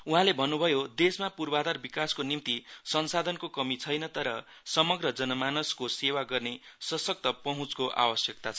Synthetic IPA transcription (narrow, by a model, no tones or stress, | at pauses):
uɦãlebʱʌnːubʱʌjod̪esmapurbad̪arbikaskonimt̪isʌnsad̪ʱʌnkokʌmit͡sʰʌjnʌt̪ʌɾʌ | sʌmʌɡrʌd͡zʌnʌmanʌskosewaɡʌrnesʌsʌk̚t̪ʌpʌɦũt͡skoʔa̰wʌsjʌk̚t̪at͡sʰʌ